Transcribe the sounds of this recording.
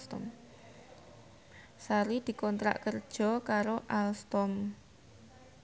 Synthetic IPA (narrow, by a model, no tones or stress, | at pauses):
t̪ɔm | saɾid̪̥i̤kɔnt̪ɾa̰ʔkərd̥ʒ̥ɔ̤kaɾoʔalst̪ɔm